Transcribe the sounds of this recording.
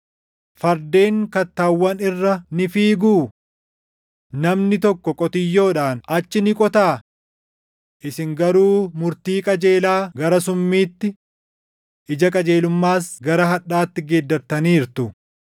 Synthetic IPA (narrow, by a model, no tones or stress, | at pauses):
fɐɾd̪e̞ːŋkɐt̪ːaːwːɐnɪrːɐnɪfiːɡuː | nɐmnɪt̪ɔkːɔkʼɔt̪ɪjːo̞ːᶑaːnɐt͡ʃːɪnɪkʼɔt̪aː | ʔɪsɪŋɡɐɾuːmʊɾt̪iːkʼɐd͡ʒe̞ːlaːɡɐɾɐs̬ʊmːiːt̪ːɪ | ʔɪd͡ʒɐkʼɐd͡ʒe̞ːlʊmːaːsɡɐɾɐɦɐᶑaːt̪ːɪɡeːd̪ːɐɾt̪ɐniːɾt̪ʊ